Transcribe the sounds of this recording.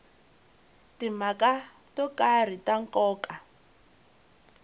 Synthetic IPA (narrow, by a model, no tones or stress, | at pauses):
timaka | tɔkar̤itaŋkɔːkʼa